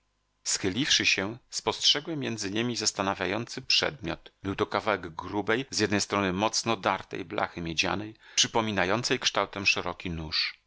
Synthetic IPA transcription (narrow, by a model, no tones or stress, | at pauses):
sxɘlʲifʂɘɕɛspɔstʂɛɡwɛmʲːjɛnd̪zɘɲimʲizast̪anavʲjajɔnt̪sɘpʂɛ̰d̪mʲjɔt̪bɘwt̪ɔkavawɛɡɡɾubɛjzʲjɛd̪nɛjst̪ɾɔnɘmɔt̪snɔd̪aɾt̪ɛ̰jbla̰xɘmʲjed͡ʑa̰nɛjʂɘpɔmʲinajɔnt̪sɛjkʂt̪awt̪ɛmʂɛɾɔkʲinuʂ